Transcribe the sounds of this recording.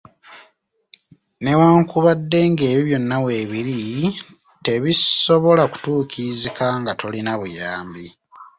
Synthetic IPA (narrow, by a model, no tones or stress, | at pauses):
ne̞waːŋkuβadːe̞ːŋɡe̞ːβiβjo̞nːawe̞ːβiɾi | te̞βiso̞βo̞laku̥tuːkizikaŋɡato̞linaβujaːmbi